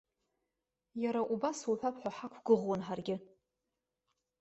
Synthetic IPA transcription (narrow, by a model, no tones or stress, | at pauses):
jaɾaʔubasuħʷᶣapʰħʷaħakʷʰɡ̥ɨʁwanħarɡʲɪ